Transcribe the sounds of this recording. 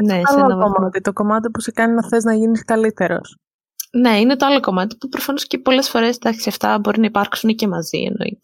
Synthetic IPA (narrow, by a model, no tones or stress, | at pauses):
nesɐloɐomɐt̪it̪o̞ko̞mɐt̪ipusekɐnienɐθe̞znɐʝiniskɐlit̪e̞ɾo̞̰s | ne̞ine̞t̪oɐlo̞ko̞mɐt̪i̥pupɾo̞fɐno̞scepo̞le̞sfo̞ɾe̞sd̪ɐksiɐft̪ɐbo̞ɾinɐipɐɾksuncemɐzḭḛno̰ḭt̪e